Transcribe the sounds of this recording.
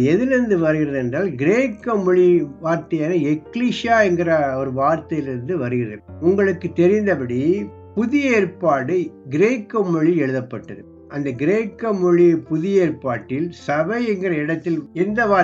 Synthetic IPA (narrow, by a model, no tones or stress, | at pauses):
ɛðɪlɪɾɯnd̪ɯʋɐɾɯɣɪrɐðɛndraːlɡɪɾeːkːɐmɔɻiʋaːɾt̪ɐjaːnɐɛkːliːʂɪjaːɛŋɡɪrɐɔɾɯʋaːɾt̪ɐjɪlɪɾɯnd̪ɯʋɐɾɯɣɪrɐ̰ɾʊŋɡɐɭɯkːɯt̪ːɛɾɪnd̪ɐpɐɽi | pʊðɪjɐeːrpaːɽɯɡɪɾeːkːɐmɔɻiɛɻɯðɐpːɐʈːɐðɯ | ʔɐnd̪ɐɡɪɾeːkːɐmɔɻipʊðɪjɐeːrpaːʈːɪlsɐʋɐɪɛŋɡɪrɐɪɽɐt̪ːɪlɛnd̪ɐʋaː